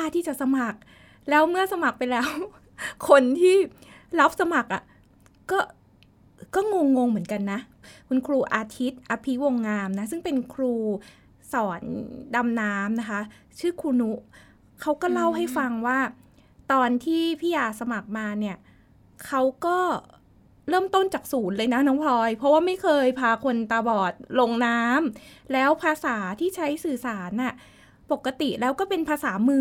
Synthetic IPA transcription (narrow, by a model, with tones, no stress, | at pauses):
a˥˩t̪ʰiː˥˩t͡ɕa˨˩sa˧ma˨˩k̚ | lɛː˦˥wmɯ˥˩ɐsa˧ma˨˩k̚pa˧jlɛː˦˥w | kʰo˧nt̪ʰiː˥˩ | la˦˥p̚sa˧ma˨˩k̚ʔa˨˩ | kɔː˥˩ | kɔː˥˩ŋo˧ŋːo˧ŋmɯ˩˦ənka˧nːa˦˥ | kʰu˧nkʰɾuː˧ʔaː˧t̪ʰi˦˥t̪̚ʔaː˧pʰi˦˥wo˧ŋːaː˧mna˦˥sɯ˥˩ŋpe˧nkʰɾuː˧ | sɔː˩˦nda˧mnaː˦˥mna˦˥kʰa˦˥ | t͡ɕʰɯː˥˩kʰuː˧nu˦˥ | kʰa˦˥wkɔː˥˩la˥˩wɦa˥˩jfa˧ŋwaː˥˩ | t̪ɔː˧nt̪ʰiː˥˩pʰiː˥˩jaː˧sa˧ma˨˩k̚maː˧ni˥˩ɐ | kʰa˦˥wkɔː˥˩ | ɾɤː˥˩mt̪o˥˩nt͡ɕaː˨˩k̚suː˩˦nlɤː˧jna˦˥nɔː˦˥ŋp̪ʰɔː˧jpʰɾɔ˦˥waː˥˩ma˥˩jkʰɤː˧jpʰaː˧kʰo˧nt̪aː˧bɔː˨˩t̪̚lo˧ŋnaː˦˥mlɛː˦˥wpʰaː˧saː˩˦t̪ʰiː˥˩t͡ɕʰa˦˥jsɯː˨˩saː˩˦nʔa˥˩ | po˨˩kːa˧t̪i˨˩lɛː˦˥wkɔː˥˩pe˧npʰaː˧saː˩˦mɯː˧